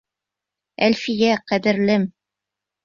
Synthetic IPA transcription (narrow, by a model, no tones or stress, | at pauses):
ælfijæqæd̪ɘ̆ɾlɘm